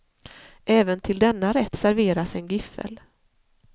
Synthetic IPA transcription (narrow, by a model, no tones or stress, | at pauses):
ʔɛːvənt̪ʰɪld̪ɛnːaɾɛt̪ːsæɾveːɾasɛnɡʏfːə̰l